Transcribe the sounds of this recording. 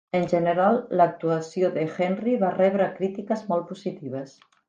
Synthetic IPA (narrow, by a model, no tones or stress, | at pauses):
ənʲʒənəɾalˠːək̚t̪uəsioðəxɛnriβarɛβɾəkɾit̪ikəzmɔlˠpuzit̪iβ̞əs